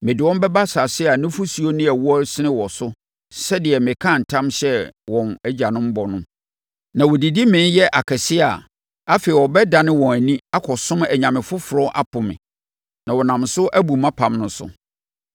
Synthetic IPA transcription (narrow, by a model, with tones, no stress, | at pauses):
mɪ̃˨dɪ˨wɔ̃˦m˦bɛ˦ba˦sa˨sɪ˦a˨nɪ̃˦fʊ˦su˨o˦nɪ̃˦ɛ˨wɔ˦sɪ˦nɪ̃˦wɔ˨sʊ˦ | sɛ˦dɪ˨ɛ˨mɪ̃˨kʰã˦˨n̩˨tʰã˦mɕɛ˦wɔ̃˨næ˦d͡ʑa˨nʊ̃˦m̩˦bɔ˨nʊ̃˦ | nã˨wɔ˨di˨di˦mɪ̃˦n˦jɛ˦ʔa˨kʰɛ˨sɪ˦a˨ | a˦fe˨ɪ˨wɔ˨bɛ˦da˨nɪ̃˦wɔ̃˨æ˨nĩ˦a˦kʰɔ˨sʊ̃˦mæ˨ɲã˨mɪ̃˨fʊ˦fʊ˨ɾɔ̃˦ʔa̰˦pʰʊ˨mɪ̰̃˨ | nã˨wɔ˨nã˨msʊ˦ʔæ˦bu˨mã˦pʰã˨mnʊ̃˨˦sʊ̰˨